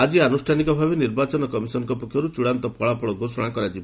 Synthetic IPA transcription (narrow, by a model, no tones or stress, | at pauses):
ad͡ʒianusʈʰanikɔbʱabeniɾbat͡ʃɔnɔkɔmisɔnɔŋkɔpɔkʰjɔɾut͡ʃuɽant̪ɔpʰɔɭapɔɭɔɡosɔɽ̃akɔɾad͡ʒiba